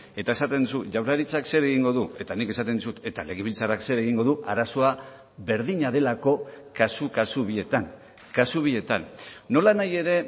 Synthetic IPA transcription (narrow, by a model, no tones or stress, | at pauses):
e̞t̪ae̞sat̪e̞nd̪usuʝawɾaɾit͡sakse̞ɾe̞ɣ̞iŋɡo̞ðue̞t̪anike̞sat̪e̞nd̪usut̪e̞t̪ale̞ɣ̞eβilt͡sarakse̞ɾe̞ɣ̞iŋɡo̞ðuaɾaso̞a | βe̞ɾðiɲaðe̞lako̞ | kasukasuβie̞t̪an | kasuβ̞ie̞t̪anːo̞lanaje̞ɾe̞